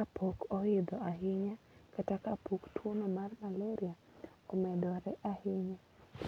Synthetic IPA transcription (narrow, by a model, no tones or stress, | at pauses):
kapʰokɔɪd̪ɔaɦɪɲakatakapoktʰwonomarmalɛɾia | ɔmɛdɔɾɛʔahɪɲa